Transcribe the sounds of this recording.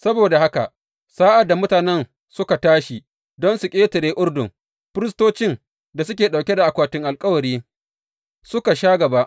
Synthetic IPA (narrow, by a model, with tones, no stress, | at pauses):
sɐ˦boː˨da˨ha˦ka̰˨ʔ | saː˦ʔa˨da˨mʊ˦taː˨nɛ˦n | sʊ˦ka˨taː˦ʃi˨ | dɔ˦nsʊ˨kʲʼeː˦tɪ˨ɾeː˦ʔʊ˦ɽdʊ˨ŋ | ɸɪ˦ɾɪ˦s̬toː˦t͡ʃɪ˦n | da˨s̬ʊ˦kʲeː˨ɗa˨wkʲɛ˦da˨ʔa˨kʷaː˨tɪ˦ŋʔa˨lkʼɐ˦wɐ˨ɾiː˦ | sʊ˦ka˨ʃaː˦ɡɐ˨ba˦ʔ